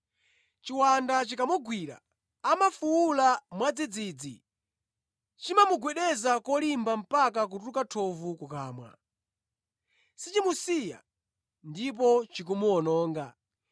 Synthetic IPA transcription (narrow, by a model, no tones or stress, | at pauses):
t͡ʃiwandat͡ʃikamuɡwiɾa̰ː | mafuwulamwad͡zid͡ziːd͡zḭ | t͡ʃimamuɡwɛɗɛzakɔlimbam̩pak̬ak̬utukatʰɔvukukaːmwa̰ | sit͡ʃimusija̰ | ndip̬ɔt͡ʃik̬umuɔnɔːŋɡa